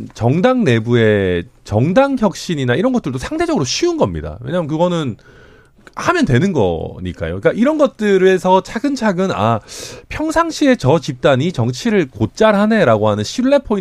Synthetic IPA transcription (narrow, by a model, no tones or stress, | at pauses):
t͡ɕʌŋdaŋne̞bue̞t͡ɕʌŋdaŋçjʌk̚ɕ͈iɲinaiɾʌnɡʌt͈ɯɭdosʰaŋdʰe̞d͡ʑʌɡɯɾoɕʰiunɡʌmɲḭda̰we̞̰ɲaːmɯnkɯɡʌnɯn | hamjʌntwe̞nɯnɡʌ̰ɲḭk͈a̰jo̰ik͈aʔiɾʌnɡʌt̚t͈ɯɾe̞sʰʌt͡ɕʰaɡɯnt͡ɕʰaɡɯna̰pʰjʌŋsʰaŋɕʰie̞t͡ɕʌt͡ɕip̚t͈aɲit͡ɕʌŋt͡ɕʰiɾɯɭkot̚t͡ɕ͈aɾɦane̞ɾaɡoɦanɯnɕʰiɭːe̞pʰoi